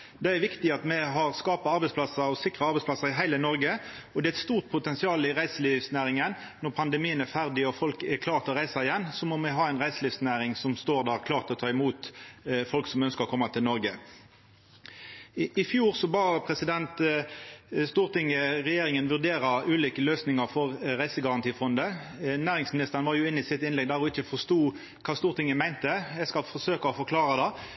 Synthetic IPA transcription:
d̪ɛæʋɪkt̪ɪɑt̪mɛɦɑʁskɑːpɑɑʁbɛspʰlɑsɑɔsɪkʁɑɑʁbɛɪsplɑsɑɪɦæɪlənɔʁɡəɔd̪ɛːæɛt̪st̪uːʁt̪̚pʰʊt̪ɛnsɪɑːlɪʁæɪsəlifsnæːʁɪŋən | nɔʁpʰɑnd̪ɛmiːənæʁfæʁd̪ɪɔfɔlkɛkʰlɑːʁt̪ʰɪlɔʁæɪsɑɪjɛnːsɔmɔmɛɦɑːæɪnʁæɪsəliːʋsnæːʁɪŋsɔmst̪oːʁd̪æːʁkʰlɑːʁt̪ʰɪlɔt̪ʰɑːɪmuːt̪fɔlksɔmœnskəʁɔkʰɔmːɑt̪ʰɪlnɔʁɡə | ɪfjuːʁsɔbɑːpʰʁɛsɪd̪ɛnt̪ | st̪uːʁt̪ɪŋəʁɛjeːɾɪŋənʋʉʁd̪eːʁɑʉːliːkəløːsnɪŋɑʁfɔʁɾæɪsəɡɑʁɑnt̪ʰiːfɔnd̪ə | næːʁɪŋsmɪnɪst̪əʁənʋɑːʁjʊɪnːɪsɪt̪ɪnlɛɡ̚d̪æːʁɔɪçəfɔʁst̪uː | kʰɑːst̪uːʁt̪ɪŋːəmæɪnt̪əjɛɪskɑlfɔsøːkɑɔfɔʁkʰlɑːʁɑd̪ɑ

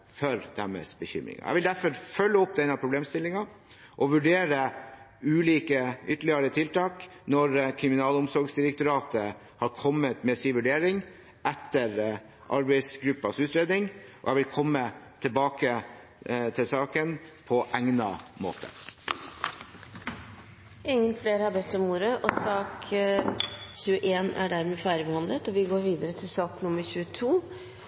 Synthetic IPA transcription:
fɔɾd̪̥æmə̰sbəçʏ̰mɾɪ̰ŋɑ̰ʔæ̰ʋɪld̪æɾfɔɾfœlːəɔpd̪ɛɪnɑpʰɾʊbleːmst̪ɪlːɪŋɑ | ʔɔʋʉɖeːɾə | ʉːliːkəʏt̪ːəɭɪəɾət̪ʰɪlt̪ʰɑːknɔɾkʰɾɪmɪnɑːlʊmsɔɾɡsd̪ɪɾɛk̚t̪ʊɾɑːt̪ə | hɑɾkʰɔmːət̪mɛsiːʋʉɖeːɾɪŋ | ʔɛt̪ːəɾ | ʔɑ̰ɾbæɪsɡɾʉpːɑsʉːt̪ɾeːd̪nɪŋʔɔ̰æɪʋɪlkʰɔmːət̪ʰɪlbɑːkə | t̪ʰɪlsɑːkənpʰɔʔæŋnɑ̰mo̰ːt̪ʰə̰ | ʔɪŋːənfleːɾhɑbɛt̪ːɔmːuːɾəʔɔsɑːk | çʉːəʔeːnæ̰ɖæɾmeːfæːɾəbɛhɑnlət̪ɔʋɪɡoːɾʋiːd̪əɾət̪ʰɪlsɑːknʊməɾçʉːət̪ʰuː

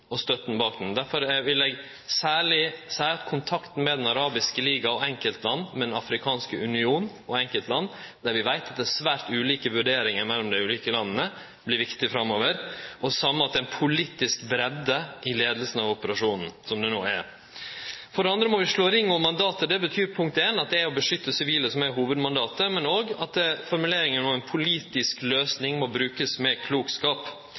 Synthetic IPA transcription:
ɔst̪œt̪ːn̩bɑːk̚d̪ɛnd̪æɾfɔɾʋɪlɛɡ | sæːɭɪsæɪɑt̪kʰʊnt̪ʰɑkt̪n̩mɛd̪ɛnɑɾɑːbɪskəliːɡɑɔɛŋkəlt̪lɑnːmɛd̪ɛnɑfɾɪkʰɑːnskəʉnɪuːnn | ɔɛŋkəlt̪lɑnː | d̪̥æɾʋɪʋæɪt̪ɑt̪̚d̪æsʋæːɾt̪ʉːliːkəʋʉɖeːɾɪŋəɾmɛlːɔmd̪æɪʉːliːkəlɑnːnə | blɪɾʋɪkt̪ɪfɾɑmːoːʋəɾʔɔsɑmːəɑt̪̚d̪ɛɪnpʰʊliːt̪ɪskbɾɛd̪ːəʔɪleːd̪əlsn̩ɑʋɔpəɾɑʂuːnn̩sɔmd̪ɛnoːæ̰ɾ | fɔɖɛɑnd̪ɾəmɔʋɪʂlɭoːɾɪŋːɔmmɑnd̪ɑːt̪əd̪ɛbət̪ʰyːɾpʰʊŋk̚t̪eːnɑt̪̚d̪ɛæɾɔbəʂʏt̪ːəsɪʋiːləsɔmæɾɦuːʋəd̪mɑnd̪ɑːt̪əmɛnoːɡɑt̪̚d̪ɛfɔɾmʉleːɾɪŋənɔmɛnpʰʊliːt̪ɪskløːsnɪŋmɔbɾʉːkəsmɛkʰluːkskɑːp

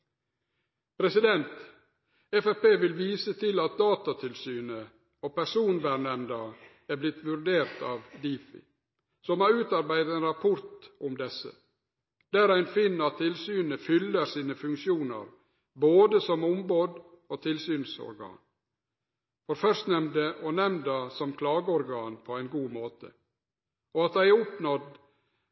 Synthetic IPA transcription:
pʰɾɛsɪd̪ɛnt̪ | ɛfæfpeːʋɪlʋiːsət̪ʰɪlɑt̪̚d̪ɑːt̪ɑt̪ʰɪlsyːnə | oːpæʂuːnʋæɳɛnd̪ɑ | æblɪt̪ʋʉɾd̪eːɾt̪ɑːʋd̪iːfɪ̰ | sɔmɑʉːt̪ɑɾbæɪd̪ət̪ɛnɾɑpʰɔɾt̪ʊmd̪ɛsə̰ | d̪̥æːɾæɪnfɪnːəɑt̪ʰːɪlsyːnəfʏlːəɾsiːnəfʉŋkʃjuːnə̰ɾ | boːd̪əsɔmʊmboːd̪ | oːt̪ʰɪlsyːnsɔ̰ɾɡɑ̰ːn | fɔɾfœɾst̪nɛmd̪əʔɔnɛmnd̪ɑsɔmkʰlɑːɡəɔɾɡɑːnpʰɔæɪnɡuːmoːt̪ə̰ | ɔɑt̪̚d̪æɪæɾʊpnɔd̪

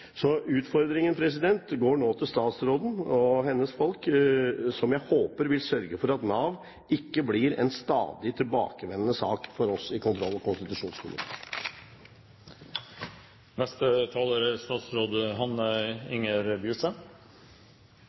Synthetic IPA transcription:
sɔʉːt̪fɔɾd̪ɾɪŋənpʰɾɛs̬ɪd̪ɛnt̪ɡoːɳoːt̪ʰɪlst̪ɑːt̪sɾoːd̪n̩ɔɦɛnːəsfɔlk | sɔmjæɪhoːpəɾʋɪlsœɾɡəfɔɾɑt̪nɑːʋ | ɪkːəblɪɾɛ̰nst̪ɑ̰ːd̪ɪt̪ʰɪlbɑ̰ːkəʋɛnənəsɑ̰ːkfɔɾɔsɪkʰʊnt̪ʰɾɔlːɑkʊnst̪ɪt̪ʉʂuːnskʰʊmɪ̰t̪ʰe̥̰ː | nɛst̪ət̪ʰɑːləɾst̪ɑːt̪sɾoːd̪əɦɑnɪŋəɾbjʉːsən

